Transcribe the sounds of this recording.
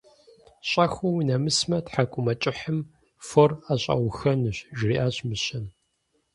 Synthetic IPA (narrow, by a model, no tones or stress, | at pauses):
ɕʼɐxuwinɐmɨsmɐtħakʷʼʊmɐt͡ʃʼɪħəm | foraɕʼɐ̰wxɐnɨɕʒriʔaːɕmɨɕɐn